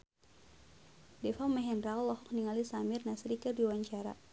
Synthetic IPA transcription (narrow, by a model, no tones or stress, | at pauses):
dɛfamɛɦɛnrallɔɦɔk̚niŋalisamirnasɾikərdiwaɲt͡ʃaɾa̰